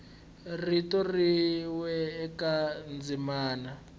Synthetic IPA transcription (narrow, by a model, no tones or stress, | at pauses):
ritɔriwɛːkand͡zimaːna